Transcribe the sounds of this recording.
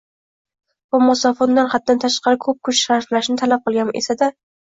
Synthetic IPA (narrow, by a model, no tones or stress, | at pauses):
bʊmɒsɒfond̪anχat̪̚d̪ant̪ʰaʃqɑɾɪkʰɵp̚kʰʊt͡ʃʃaɾflaʃnɪt̪ʰalap̚qʰɨlˠɡʲanʔesad̪a